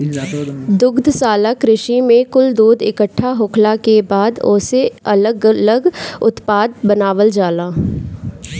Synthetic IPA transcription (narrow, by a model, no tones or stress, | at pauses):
d̪ʊɡd̪ʱsaːlakɾɪʃimẽkʊld̪uːd̪ɪkəʈʰːaɦʊːkʰlakebaːd̪oːseɐləɡələɡʊt̪paːd̪̚bənaːʋəld͡ʒaːlaː